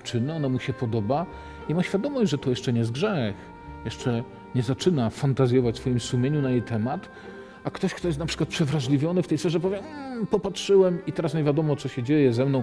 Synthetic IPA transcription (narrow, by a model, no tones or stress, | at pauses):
t͡ʂɘnːɛɔnamuɕɛpɔd̪ɔba | imaɕfʲjad̪ɔmɔʑd͡ʑʐɛt̪ɔjɛʂt͡ʂɛɲɛzɡʐɛx | jɛʂt͡ʂɛ | ɲɛzat͡ʂɘnafant̪azʲjɔvat͡ɕsfɔjimsumʲjeɲunajejt̪ʰɛmat̪ | akt̪ɔɕkt̪ɔjɛst̪napʂɘ̥kwat̪̚pʂɛvɾaʐlʲivʲjɔnɘft̪ɛjsfɛʐɛpɔvʲjɛpɔpatʂɘwɛmit̪ɛɾas̬ɲevʲjad̪ɔmɔt̪ɔɕɛd͡ʑejɛzɛmnɔ̃w̃